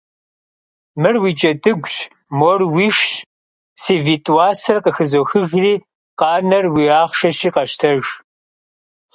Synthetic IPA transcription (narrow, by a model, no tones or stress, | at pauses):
mɨrwiːt͡ʃʼɐtʼɨɡʷɕ | morwiːʃ | siːvitʼwaːsɐrqəxɨzoːxɨʒriː | qɑːnɐrwiːaːχʃɐʃiːqɐʃtʰɐʒ